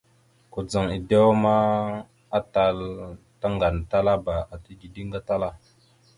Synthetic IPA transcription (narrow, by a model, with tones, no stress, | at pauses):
ko˨d͡za˨ŋi˨de˦wma˦ | a˦ta˨l | ta˦ŋɡa˨n˨ta˦la˦ba˨a˨ti˦di˨di˦ŋɡa˦ta˦la˦